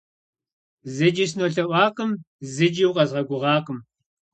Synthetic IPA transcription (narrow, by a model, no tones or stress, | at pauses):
zɨd͡ʒis̬noɬɐʔʷɑːqəm | zɨd͡ʒiwqɐzʁɐɡʷʊʁɑːqəm